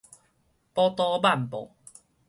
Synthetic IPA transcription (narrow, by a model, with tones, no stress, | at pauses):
pɔ˧t̪ɔ˧ba˥˨mpɔ̰˨